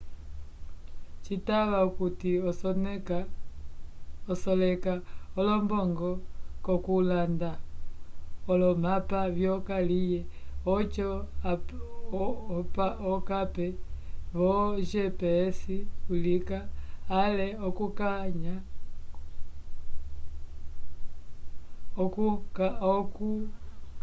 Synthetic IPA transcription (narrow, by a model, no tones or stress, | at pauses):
t͡ʃitaβaukuti | ɔsɔlɛkaɔlɔmbɔŋɡɔkɔkulanda | ɔlɔmapavjɔkalijɛɔt͡ʃɔ | paɔkapɛβɔʒɛpɛːsiulikaːlɛɔkukaɲa | ɔkukɔku